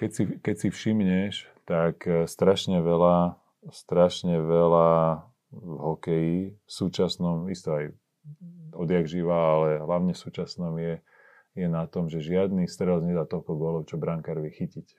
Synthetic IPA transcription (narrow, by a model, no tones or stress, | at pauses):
kɛcsikɛcsifʃimɲɛʃt̪akst̪ɾaʃɲɛʋɛla | st̪ɾaʃɲɛʋɛla | vɦɔkɛjifsuːt͡ʃasnɔmist̪ɔaj | ɔd̪jaɡʒiʋaːlɛɦlaʊɲɛfsuːt͡ʃasnɔmjɛ | jɛnat̪ɔmʒɛʒɪad̪nist̪ɾɛlzɲɛd̪aːt̪ɔlkɔɡʊɔlɔʊt͡ʃɔbɾaŋkaɾʋɛxicic